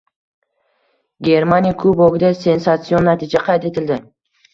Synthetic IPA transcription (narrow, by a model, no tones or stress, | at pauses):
ɡʲe̞ɾmanʲijakʰɵboɡʲɪd̪ase̞nsat̪sɨonːat̪ʰid͡ʒaqʰɑjt̪e̞t̪ʰɪld̪ɪ